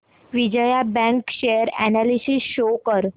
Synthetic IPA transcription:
ʋid͡ʑəjabɛ̃ŋkɕejəɾɛ̰nalisisɕokəɾ

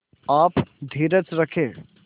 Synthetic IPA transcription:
aːpd̪ʱiːɾət͡ʃɾɐkʰẽː

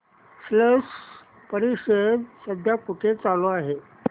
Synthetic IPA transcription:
sləʂ | pəɾiɕəd̪səbʱjakuʈʰet͡saloaɦe

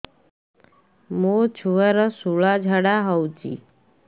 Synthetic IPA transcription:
mot͡ɕʰuʋəɾəsuɭad͡ʒʱəɽaɦəwt͡ʃḭ

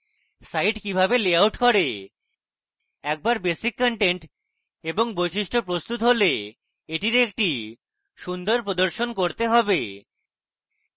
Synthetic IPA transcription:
sajʈkibʱabeleawʈkɔɾe | ɛk̚baɾbesikːɔɳʈeɳʈ | eboŋbojʃiʃʈopɾost̪ut̪ɦole | eʈiɾek̚ʈi | ʃund̪oɾpɾod̪oɾʃonkoɾt̪eɦɔbe

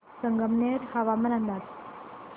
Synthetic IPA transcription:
səŋɡʱəmneɾhəʋamənand̪at̪

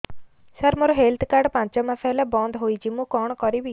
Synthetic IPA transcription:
saɾmɔɾɔɦelt̪kaɾɖpãɲt͡ʃɔmasajlabɔ̃nd̪ɦojd͡ʒimũkɔɳ̃kɔɾibi

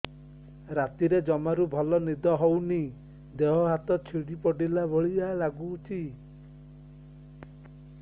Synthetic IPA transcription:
ɾat̪iɾed͡ʒɔmaɾubʱɔlɔnid̪ɔɦowni | d̪eɦɔɦat̪ɔt͡ʃʰiɽipɔɖilabɔɭialaɡut͡ʃʰi

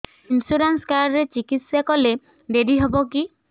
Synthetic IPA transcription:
insuɾanskaɾɾet͡ʃikit̪sakɔle | ɖeɾiɦɔbɔki

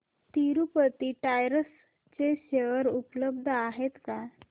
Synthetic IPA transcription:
t̪iɾupət̪iʈajɾəs | t͡ɕeɕeʋəɾupləbd̪ʱəaɦet̪ka

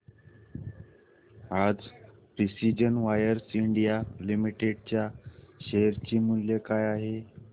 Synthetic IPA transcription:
ad͡z | pɾisid͡ʑənʋajəɾsiɳɖijalimiʈeɽ̚t͡ɕjaɕeɦɾt͡ɕiːmuljekajaɦe

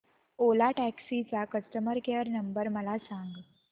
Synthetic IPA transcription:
olaʈæksit͡sakəsʈəməɾkeəɾnəmbəɾməlasaŋɡ

